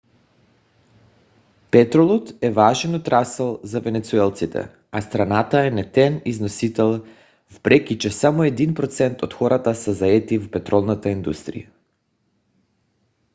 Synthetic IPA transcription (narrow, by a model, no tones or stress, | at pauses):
pɛt̪ɾolˠɔt̪ɛvaʒɛnot̪ɾasɛlˠzavɛnɛt̪suɛlˠt̪sit̪ʰɛ̰ | ast̪ɾanat̪aɛnɛt̪ɛniznosit̪ɛlˠ | vpɾɛkʲit͡ʃɛsamoɛd̪inpɾɔt̪sɛnt̪ot̪xɔɾat̪asɛzaɛt̪ivpɛt̪ɾɔlˠnat̪aind̪ust̪ɾḭja